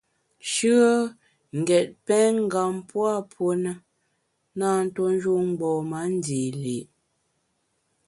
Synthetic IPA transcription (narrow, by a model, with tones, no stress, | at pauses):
ʃʉ˦ə˦ | ŋ̩˨ɡɛ˨t̚pɛ˦ŋ̩˦ɡa˨mpwa˦˨pʰwo˦nə˦ | naː˦n̩˦to˦n˦d͡ʒu˦˨ŋ̩˦ɡ͡bɔː˨ma˨˦n̩˦di˨li˨ʔ